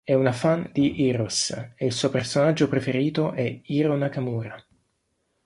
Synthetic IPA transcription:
ɛunafand̪iʔiɾoseilsuopersonad͡ʒːopɾefeɾiːt̪oʔɛiɾonakamuːɾa

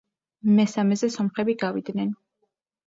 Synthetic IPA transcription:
mɛsamɛzɛsɔmχɛbiɡavid̪nɛn

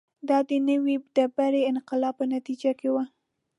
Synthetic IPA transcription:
d̪ɑd̪ənəwid̪̥əbaɾeɪnqɪlɑpːənat̪id͡ʒakewa

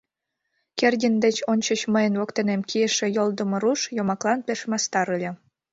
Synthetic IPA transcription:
kerdʲind̪ĕt͡ɕonʲt͡ɕət͡ɕməjə̆nβokt̪enemkʲieʃĕjolˠd̪əmŏɾuʃjomɑklˠɑnpʲeʃmɑst̪ɑɾɯlʲĕ

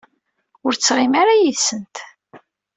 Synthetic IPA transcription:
ʊɾt͡sːʁimaɾajiðsənt̪

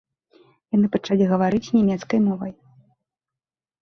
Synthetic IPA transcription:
jan̪ɨpɐt͡ʂalʲiɣɐvaɾɨt͡sʲnʲamʲɛt̪skɐjmɔvɐj

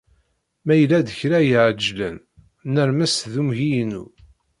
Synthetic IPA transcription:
mæjəlæðəçɾæjəʕəd͡ʒlən | nəɾmæsðumʝijnṵ

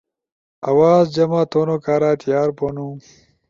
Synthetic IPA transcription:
ɐwaːzd͡ʑɐmaːt̪oːnoːkaːɾaːt̪jaːɾpoːnũː

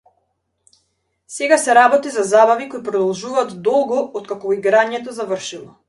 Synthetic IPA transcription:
sɛɡasɛɾabɔt̪izazabavikojpɾɔd̪ɔlˠʒuvaːt̪d̪ɔlˠɡɔɔt̪kakɔiɡɾaɲɛt̪ɔzavərʃilˠɔ

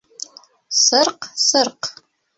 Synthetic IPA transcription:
sərqsərq

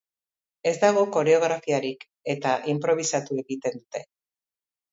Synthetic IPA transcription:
e̞zd̪aɣ̞o̞ko̞ɾe̞o̞ɣ̞ɾafiaɾik | e̞t̪aʔimpɾo̞β̞isat̪ue̞ɣit̪e̞nd̪ut̪e̞

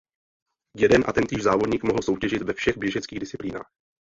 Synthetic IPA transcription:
jɛdɛnʔa̰t̪ɛnt̪iːʒzaːvodɲiːkmoɦl̩so̞wcɛʒɪt̪vɛfʃɛɣbjɛʒɛt͡skiːɣdɪst͡sɪpliːna̰ːx

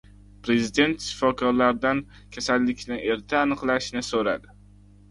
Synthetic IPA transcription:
pɾe̞zid̪e̞nt̪ʃɪ̥fɒkʰɒɾlaɾd̪an | kʲʰasalːɪkʲnɪe̞ɾt̪ʰaːnɨqlˠaʃnɪsoɾa̰d̪ɪ

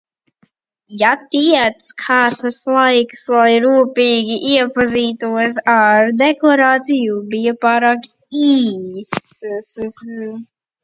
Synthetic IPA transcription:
jat̪iɛt̪skʰaːt̪aslˠajkslˠajɾuːpiːɡʲiʔiɛpaziːt̪uɔs̬aɾd̪ɛklˠaɾaːt̪sijubijapaːɾaːk | iːss

